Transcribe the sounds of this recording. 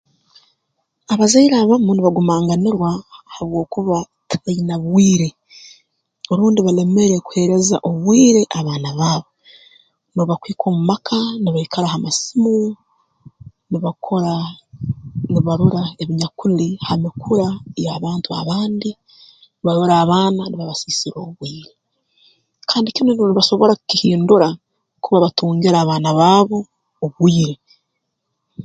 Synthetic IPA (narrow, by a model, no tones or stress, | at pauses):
aβazaiɾaβamuniβaɡumaːŋɡaniɾwahaβwo̞ːkuβa | tʰainaβwiːɾe̞ | oɾuːndiβale̞me̞ɾeku̥he̞ɾe̞za̰ʔoβwiːɾe̞ʔaβaːnaβaːβo | muβakwiːko̞ːmumakʰaniβaikʰalahamasimu | niβakʰoɾa | niβaɾuɾaeβiɲakunihamikʰuɾajaːβaːntua̰βaːndi | niβaɾuɾaːβaːnaniβaβasisiɾoːβwiːɾe | kʰaːndikinoniβaʃo̞βoɾakukihiːnduɾa | kuβaβatuːŋɡiɾaːβaːnaβaːβo̞ː | βwiːɾe